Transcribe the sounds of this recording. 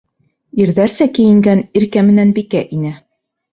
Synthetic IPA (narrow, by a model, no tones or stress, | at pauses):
iɾðæɾsækĭjɘ̆ŋɡæniɾkæmɘ̆nænbikæʔinɘ